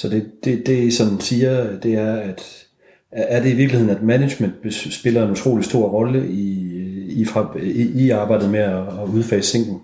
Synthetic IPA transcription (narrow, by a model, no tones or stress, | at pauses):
sɒ̽d̥e̝d̥e̝d̥e̝isɒ̽nsiːɐd̥e̝æɐæd̥ː | ɐd̥e̝iʋiɐ̥lihe̝ð̰ˠn̩æd̥mæne̥ɕmen̰d̥b̥sb̥e̝lɐe̝nut͡sʰʁo̝̰ːlisd̥o̝ɐ̰ʁɒ̽ləʔi | ifɑiɑ̈ːb̥ɑ̈ɪ̰d̥ð̩ˠmeæːuð̞ˠfɛ̰ːsseŋ̰ɡ̥n̩